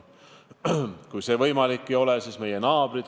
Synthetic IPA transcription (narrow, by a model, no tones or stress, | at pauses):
kujse̞ːvɤjmɑlikːio̞lesisme̞jenɑːb̥ɾid̪̥